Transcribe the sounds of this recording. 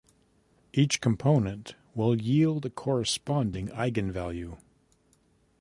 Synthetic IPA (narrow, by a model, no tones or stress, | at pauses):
ʔit͡ʃkʰə̃m̩pʰõʊ̃nɨ̃nʔ | wɪlˠjilˠd̪ɨkʰɔɹɨspɑ̃ndɪ̃ŋaɪɡɨ̃nvælˠjʉ